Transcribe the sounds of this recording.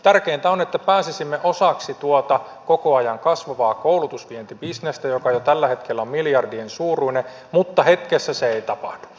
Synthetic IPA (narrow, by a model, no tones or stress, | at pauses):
t̪ærkeːnt̪æonet̪ːæpæːsisimːeʔosɑksit̪uot̪ɑ | kokoɑjɑŋkɑsʋɑʋɑːkoulut̪usʋient̪ibisnest̪æjokɑjot̪ælːæhe̞t̪kelːæommiljɑrdiensuːruine | mut̪ːɑhe̞t̪kesːæseejt̪ɑpɑ̰hd̥u̥